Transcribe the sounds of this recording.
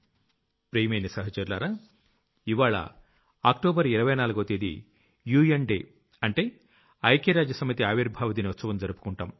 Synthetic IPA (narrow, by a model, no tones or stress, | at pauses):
pɾejmɐjnisɐɦɐt͡ʃɐɾlaːɾaː | iʋaːɭɐ̰ | a̰ːkʈoːbɐɾiɾɐʋɐjnaːluɡot̪eːd̪ḭ | juːjenɖeː | ɐɳʈe̞ː | ɐjkeɾaːd͡ʒjɐsɐmɐt̪iaːʋiɾbʱaːʋɐt̪̬iːniut̪sɐʋɐmd͡ʒɐɾupu̥kuɳʈaːm